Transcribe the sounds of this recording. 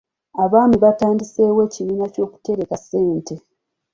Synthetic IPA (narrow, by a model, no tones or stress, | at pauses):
aβaːmiβataːndise̞ːwe̞ciβiːnaco̞ːku̥te̞ɾe̞kase̞ːnte̞